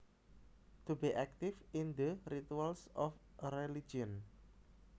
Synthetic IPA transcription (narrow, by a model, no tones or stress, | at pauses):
t̪ubiʔɛk̚t̪ifind̪əɾit̪ualsɔfrelid͡ʒiɔn